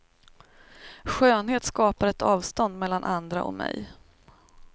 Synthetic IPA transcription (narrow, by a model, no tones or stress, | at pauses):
ɧøːnheːt̪skɑːpaɾɛt̪ɑːvst̪ɔnd̪mɛlːanʔand̪ɾa̰ʔɔ̰kmɛ̰j